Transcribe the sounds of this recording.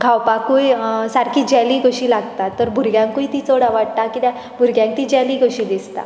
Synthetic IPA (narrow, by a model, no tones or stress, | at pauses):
ɡʱawpakujsaɾkʰiːd͡ʑɛliːɡoʂʈilaɡt̪at̪ːəɾbʱuɾɡjãŋkuit̪it͡soɽaʋaɽt̪akit̪ã | bʱuɾɡjãŋk̚t̪id͡ʑɛliːɡoʂiːd̪ist̪a̰